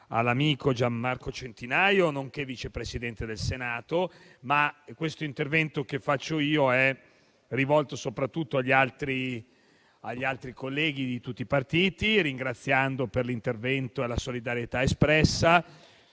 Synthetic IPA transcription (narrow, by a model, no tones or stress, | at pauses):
a̰lːamiːkod͡ʒamːarkot͡ʃent̪inajonoŋkevit͡ʃepɾesid̪ɛnt̪ed̪elsenaːt̪o | makwest̪oint̪ervɛnt̪okefːat͡ʃːoiːoɛ | rivɔlt̪osopɾat̪ːut̪ːoaʎːalt̪ɾi | aʎːialt̪ɾikolːɛːɡ̟id̪it̪ut̪ːiːpart̪iːt̪iɾiŋɡɾat̪sːjand̪operlint̪ervɛnt̪oelasolid̪aɾjet̪aespɾɛsːa